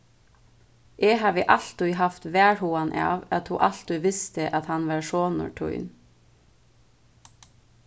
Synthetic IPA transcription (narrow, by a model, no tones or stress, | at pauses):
ʔeːhɑːʋɪːʔɑɬt̪ʊʏhɑft̪ʋæːɹhuːɑnʔɑ̰ːʋɑt̪hṵːʔɑlt̪ʉʋɪst̪əʔɑt̪hɑnʋɑːɹʃoːnʊ̰ʈʰʊ̰ʏn